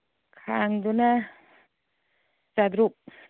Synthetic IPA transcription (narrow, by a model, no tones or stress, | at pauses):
kʰaŋd̪una | sad̪ɾuk̚